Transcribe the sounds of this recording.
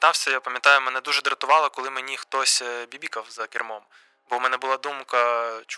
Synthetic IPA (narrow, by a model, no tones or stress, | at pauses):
t̪ɑwsʲɐjapɐmʲjɐt̪ɑjʊmɛnɛd̪uʒɛd̪ɾɐt̪ʊʋɑlˠɐkɔlˠɪmenʲixt̪ɔsʲbʲibʲikɐwzɐkʲirmɔm | bɔmɛnɛbʊlˠɑd̪umkɐt͡ʃ